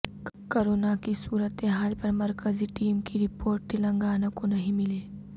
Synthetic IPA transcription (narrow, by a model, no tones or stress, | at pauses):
koɾoːnakisuːɾət̪eɦaːlpɐɾmɐɾkəziʈiːmkiɾɪpoːɾʈ̚t̪ɪlɐ̃ŋɡaːnəkonɐɦĩmɪleː